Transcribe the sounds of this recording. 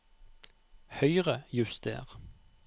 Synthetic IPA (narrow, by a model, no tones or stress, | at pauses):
hœʏʁəjʉst̪ḛːʁ